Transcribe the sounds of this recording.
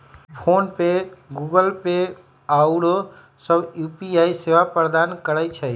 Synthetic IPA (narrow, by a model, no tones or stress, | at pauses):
pʰoːnpeɡuːɡəlpe | aʊɽo | səbjuːpiaːiseʋapɾəd̪aːnkəɾət͡ʃʰɛ